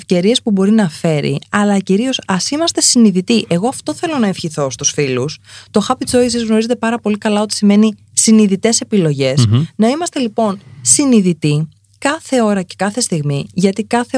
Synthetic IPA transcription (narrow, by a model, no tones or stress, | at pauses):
fce̞ɾie̞spubo̞ɾinɐfe̞ɾḭɐlɐciɾio̞sɐsimɐst̪e̞siniðit̪iʔe̞ɣoɐft̪o̞θe̞lo̞nɐefçiθo̞st̪usfilust̪o̞xɐpizo̞is̬izɣnoize̞t̪e̞pɐɾɐpo̞likɐlɐo̞t̪i̥sime̞ni | siniðit̪e̞se̞pilo̞ʝe̞snɐimɐst̪e̞lipo̞nsiniðit̪i | kɐθe̞o̞ɾɐce̞̥kɐθe̞st̪iɣmiʝɐt̪ikɐθe̞